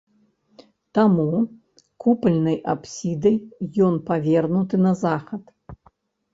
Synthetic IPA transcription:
t̪amu | kupɐlʲnɐjʔapsʲid̪ɐjjɔnpavʲɛrnut̪ɨnɐzaxɐt̪

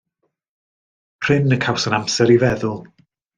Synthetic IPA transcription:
pʰr̥ɪnəkʰawsənamsɛɾivɛðʊlˠ

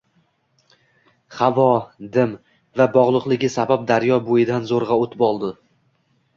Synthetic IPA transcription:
χavɒd̪ɪm | vabɒʁlˠʊqlˠɪɡʲɪsabap̚d̪aɾjɒbojɪd̪anzoɾʁɑot̪ʰɪpɒlˠd̪ɪ

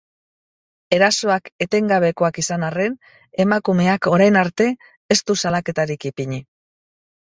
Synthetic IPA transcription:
e̞ɾaso̞ake̞t̪e̞ŋɡaβ̞e̞ko̞akisanare̞n | e̞makume̞ako̞ɾajnaɾt̪e̞ː | st̪usalake̞t̪aɾikipiɲi

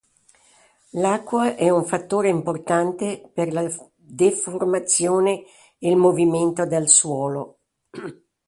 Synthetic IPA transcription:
lakːwaʔɛuɱfat̪ːoːɾeimport̪ant̪eperla | d̪eformat̪sːjoːne | elmoviment̪od̪elswɔːlo

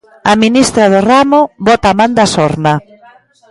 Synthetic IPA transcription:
aminist̪ɾaðʊramʊbɔt̪amand̪asɔɾna

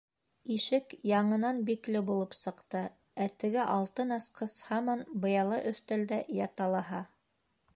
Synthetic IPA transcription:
iʃɘkjɑɴɤ̆nɑnbiklɘbulˠɤpsɤ̆qt̪ɤ | æt̪ɘ̆ɡæʔɑlˠt̪ɤnɑsqɤshɑmɑnbɤ̆jɑlˠɤʔɵ̆θt̪æld̪æjɑt̪ɑlˠɑɦɑ

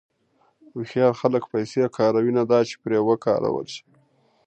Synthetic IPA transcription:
uxjɑlxaləkpajseakʰɑɾawinad̪ɑt͡ʃe̥pɾewəkɑ̰ɾa̰wə̰lʃi̥

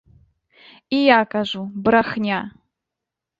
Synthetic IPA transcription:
ijakʼaʒʷubɾaxnʲa

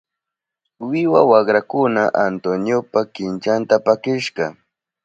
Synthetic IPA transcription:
wɪwawɑχɾakʊnaʔant̪onjopakɪnt͡ʃant̪apakɪʃɢɑ

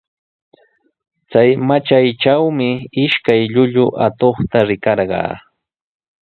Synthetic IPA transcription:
t͡sajmat͡ʃajt͡ʃawmɪɪʃkajʎʊʎʊʔat̪oχt̪aɾɪkɑɾɢɑ̰ː

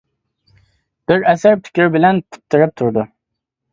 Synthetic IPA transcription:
b̥ɪɾæsɪɾt̪ʰy̥kʲʰɪɾbɪlænpʰʊ̥t̪ʰːɪɾɪp̚t̪ʰʊɾd̪ʊ

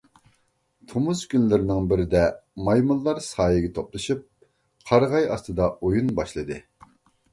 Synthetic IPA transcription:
t̪ʰomuzkʲynlɪɾɪnɪŋbɪɾɪd̪ɛmɑjmulˠːɑɾsɑːjɨɡʲɛt̪ʰoplˠɨʃip̚ | qʰɑɾʁɑjɑ̰st̪ɨd̪ɑojunbɑʃlˠɨd̪ɨ

